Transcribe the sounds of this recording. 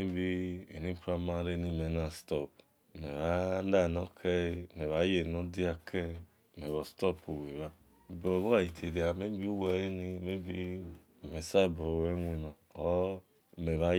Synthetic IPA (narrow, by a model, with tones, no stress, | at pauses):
e˦bi˦ḛ˨ni˦pɾa˦ma˦ɾe˦ni˦˨me˨˦na˨stɔ˦˨p | me˨βa˦da˦˨no˦kʰe˦˨me˨βa˨˦je˨no˦di˦a˦kʰɛ˦˨ | me˨βɔ˨stɔ˦pu˨we˨βa˦˨ | bo˨βo˦a˨ji˨tʰe˨di˨a˨me˦bi˦u˦we˨ɾe˦ni˦me˦i˦˨ | me˨sa˦˨bo˨we˦ŋʷi˨nɔ˨o˦ | me˨βa˦